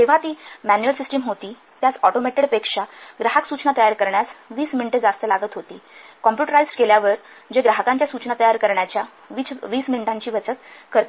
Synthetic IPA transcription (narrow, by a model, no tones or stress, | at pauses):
t̪eʋ̤at̪iːmænjuəlsisʈəmɦot̪iː | t̪jat͡sɔʈomɛʈiɽpekʂaɡɾaɦəksut͡ɕnat̪əjaɾkəɾɳjasʋiːsminiʈəd͡zast̪əlaɡət̪ɦot̪iːkɔmpjuʈəɾajsʈkeljaʋəɾ | d͡ʑeɡɾaɦəkãɲt͡ɕjasut͡ɕnat̪əjaɾkəɾɳjat͡ɕja | ʋit͡sʋiːsmiɳiʈaɲt͡ɕiːʋət͡sət̪kəɾt̪